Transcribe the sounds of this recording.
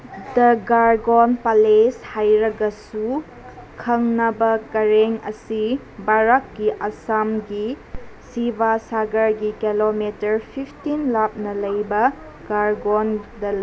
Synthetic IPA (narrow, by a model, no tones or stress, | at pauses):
dɐɡaɾɡonpaleshajɾɐɡɐsu | kʰɐŋnɐbɐkɐɾeŋɐsi | baɾakːiʔɐsamɡisibasaɡɐɾɡikelometɐɾpʰipʰtinlap̚nɐlɐjbɐ | ɡ̥aɾɡondɐ